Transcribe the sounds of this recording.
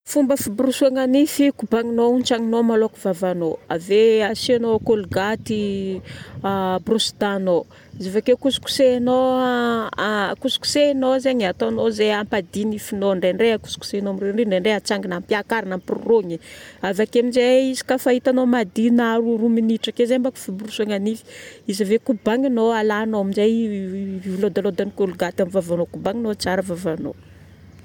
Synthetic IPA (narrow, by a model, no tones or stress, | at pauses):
fumbəfibrusuaŋanifikubaŋinont͡ʃaŋinomalokuvavanoa̰veasianokolɡat̪i | brusd̪ano | zevakekusu̥ku̥seno | kusu̥ku̥senozeɲat̪anozeampad̪inifinoɳɖ͡ʐeɳɖ͡ʐeaku̥su̥ku̥senomireɳɖ͡ʐiɳɖ͡ʐeɳɖ͡ʐeat͡saŋɡinampiakaɾanampirṵroɲiavakemizeizi̥kafait̪anomad̪inaɾuruminiʈ͡ʂakezembaku̥fibuɾusoŋanili̥izəvekubaŋinoalanoaminzajvivlod̪alod̪anikoluɡat̪amivavanokubaŋinot͡saɾəvavano̰